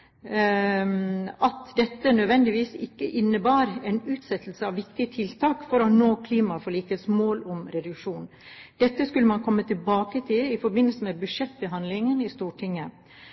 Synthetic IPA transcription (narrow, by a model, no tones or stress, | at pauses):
ɑt̪d̪ɛt̪ːənœd̪ʋɛnd̪ɪʋiːsɪkːəʔɪnːəbɑːɾɛnʉːt̪sɛt̪l̩səɑʋʋɪkt̪ɪət̪ʰɪlt̪ʰɑːkfɔɾɑnoːkʰliːmɑfɔɭiːkəsmoːlɔmɾɛd̪ʉkʂuːn | d̪̥ɛt̪ːəskʉlːəmɑnkʰɔmːət̪ʰɪlbɑːkət̪ʰɪlɪfɔɾbɪnːəlsəmeːbʉʂɛt̪̚bəɦɑnlɪŋənɪst̪uːʈʰɪŋːə